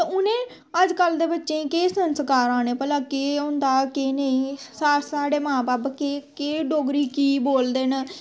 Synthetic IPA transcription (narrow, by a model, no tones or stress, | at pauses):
t̪ːʊnẽː | əd͡ʒkəld̪eːbətːʃẽːkeːsənskaːɾaːneːpəlãːkeːʊ̃nd̪aːkeːnəĩːsaːsaːɽeːmãːbaːpkeːkeːɖoːɡɾiːkiːboːld̪eːn